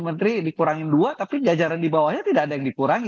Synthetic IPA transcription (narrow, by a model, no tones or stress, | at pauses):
mənt̪ɾidikuɾaŋɪnduat̪apipəd͡ʒad͡ʒaɾandibawahɲat̪idaːdajaŋdikuɾaŋ